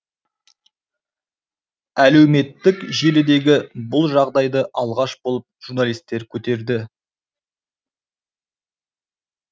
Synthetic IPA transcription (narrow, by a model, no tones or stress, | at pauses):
æle̞wme̞t̪ːɪkʒe̞lɪd̪e̞ɡʲɪbʊlˠʒɑʁd̪ɑjd̪əʔɑlˠʁɑʃbo̞lˠəp̚ʒ̥uɾnalˠijst̪ːe̞ɾkʲʰɵt̪e̞ɾd̪ɪ